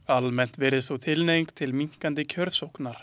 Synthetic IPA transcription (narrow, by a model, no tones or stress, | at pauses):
almɛn̥t̪vɛːɾɪsθowt̪ʰɪlnejŋkt̪ʰɪlmiŋ̥kant̪ɪcʰœɾðsowknaɾ̥